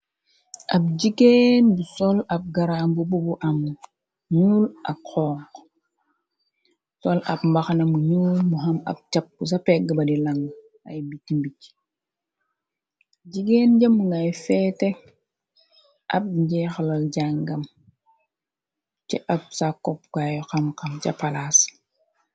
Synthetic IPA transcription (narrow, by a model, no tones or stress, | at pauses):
ʔab̚d͡ʒiɡenbusolap̚ɡaɾambububuʔamu | ɲula̰xɔːq | sola̰pmbaxnamuɲuːlmuɦama̰p̚t͡ʃap̚ːus̬apeɡabadilaŋ | a̰jbitːimbic | ɟiɡend͡ʒamuŋajfɛte | ʔa̰b̚ɲɟɛxlolɟaŋɡam | t͡ʃɛʔap̚sakːɔp̚kajɔkamkamt͡ʃapalas